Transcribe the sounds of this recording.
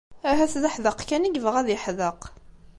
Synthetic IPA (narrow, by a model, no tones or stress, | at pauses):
æɦæθðəħðəqkæniɡvəʁæðjəħðəq